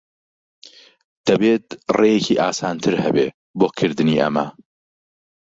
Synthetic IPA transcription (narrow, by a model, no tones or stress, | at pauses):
d̪̥ɐbeːt̪̚rejeciʔaːsaːnt̪ʰɨɾhɐbe | boːkʰɨɾd̪ɨniʔɐ̰mɐ̰